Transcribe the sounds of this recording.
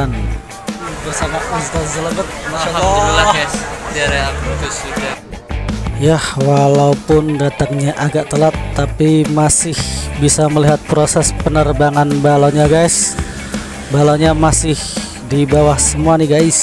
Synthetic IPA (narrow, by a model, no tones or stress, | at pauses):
an | tusamapast̪azələbət̪̚maalaad͡ʒaɾeaousuka | jahwalaupʊndat̪aŋɲaʔaɡaʔt̪əlat̪ːapimasɪhbisaməliɦat̪̚pɾosɛspənərbaŋanbalaɲaɡajs | balaɲamasɪh | dibawahsəmuaniɡajs